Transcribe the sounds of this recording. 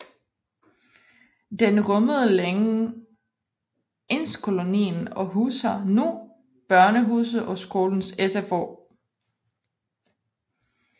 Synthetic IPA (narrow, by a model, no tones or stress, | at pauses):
d̥enʁɔməð̞̩ˠəleŋə | ʔe̝n̰skʰo̝lo̝nḭːn̩ɒ̽ɦuːsɐnu | b̥ɶɐnəɦuːs̬ð̩ˠɒ̽sɡ̥o̝ːln̩sesefo̰